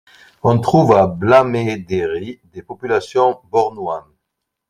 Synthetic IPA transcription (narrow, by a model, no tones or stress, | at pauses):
ɔ̃t̪χuvablamed̪eʁid̪epɔpylasjɔ̃bɔʁnwan